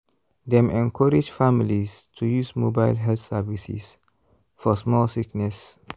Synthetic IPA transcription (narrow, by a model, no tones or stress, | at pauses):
d̪ɛ̃mɛ̃nkʰɔɾid͡ʒfamilistʰujusmobaɪlɦɛlθsɛvisḭs | fɔsmɔlsiknɛs